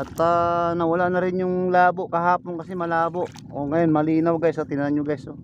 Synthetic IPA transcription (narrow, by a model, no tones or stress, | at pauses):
ʔɐt̪ːanɐwɐlaʔnɐɾɪnjʊŋlaːboʔkɐɦaːponkɐsɛmɐlaːboʔ | oŋɐjonmɐliːnawɡajsɐt̪ɪnɐnaŋɲoɡajso